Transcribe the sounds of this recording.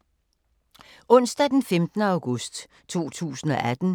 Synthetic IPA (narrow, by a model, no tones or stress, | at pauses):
ɔ̽n̰sd̥æd̥enfemd̥nəɑ̈ʊɡ̥ɔsd̥ | t͡sʰo̝̰ːt͡sʰṵːsn̩ɒ̽ʔæd̥n̩